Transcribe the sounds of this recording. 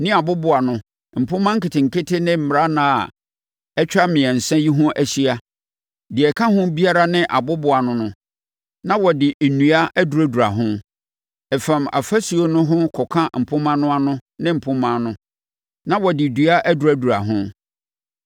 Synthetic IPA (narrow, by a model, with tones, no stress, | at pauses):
nɪ̃˦a˨bʊ˦bʊ˨a˨nʊ̃˦ | m̩˨pʰʊ̃˦mã˦ŋ̩˦kɪ˨tʰɪ̃˨ŋ̩˨kɪ˦tʰɪ˦nɪ̃˦m̩˨m˨ɾa˦nã˦a˨ | ɛ˦t͡ɕᶣa˦mɪ̃˨ɛ˨n̩˨sɛ̃˦ji˦ɦʊ̃˦ʔæ˦ɕi˦a˦ | dɪ˨ɛ˨kʰã˦ɦʊ̃˦bi˦a˦ɾa˦nɪ̃˦ʔa˨bʊ˦bʊ˨a˨nʊ̃˦nʊ̃˦ | nã˦wɔ˨dɪ˨ʔe˨nũ˨a˦ʔæ˦du˨ɾæ˨du˨ɾa̰˨ɦʊ̃˦ | ɛ˨fã˨ma̰˨fæ˦si˨o˦nʊ̃˦ɦʊ̃˦kʰɔ˨kʰã˦m̩˨pʰʊ̃˦mã˦nʊ̃˦a˦nʊ̃˦nɪ̃˦m̩˨pʰʊ̃˦mã˦nʊ̃˦ | nã˦wɔ˨dɪ˨du˨a˦ʔæ˦du˨ɾæ˨du˨ɾa̰˨ɦʊ̃˦